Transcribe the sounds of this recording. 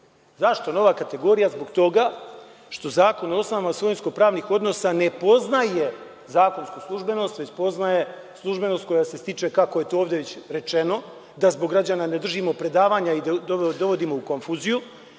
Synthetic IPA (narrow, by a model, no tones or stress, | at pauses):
zaʃt̪ono̞ʋakat̪e̞ɡo̞ɾijazbo̞ɡt̪o̞ɡa | ʃt̪o̞zaːko̞nosnoamasʋojnsko̞pɾaːʋnixo̞d̪no̞sane̞po̞znaje | zaːko̞nskuslˠuʒbe̞no̞st̪ʋe̞t͡ɕpo̞znaje̞ | slˠuʒbe̞no̞st̪ko̞jase̞st̪it͡ʃe̞kakoje̞t̪ooːʋd̪eʋet͡ɕɾe̞t͡ʃe̞no̞ | d̪azbo̞ɡːɾad͡ʑanane̞d̪r̩ʒimo̞pɾe̞d̪aːʋaːɲaid̪d̪o̞ʋo̞d̪imo̞uko̞nfuːziju